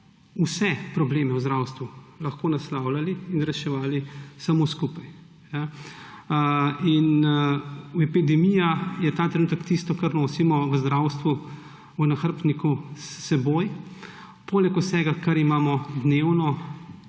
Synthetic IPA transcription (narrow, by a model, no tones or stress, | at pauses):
usɛpɾɔbleːmɛwzd̪ɾaːwst̪ʋulɐxkoːnaslaːwlaliːnɾɛʃɛʋaːlisamoskupaj | ja | in | wɛpid̪ɛmijajɛt̪aːt̪ɾɛnuːt̪əkt̪ist̪ɔkaɾnoːsimɔʋəzd̪ɾaːwst̪ʋu | unaxəɾp̪nikusːɛboːj | poːlɛkusɛɡakaɾimaːmɔd̪neːwnɔ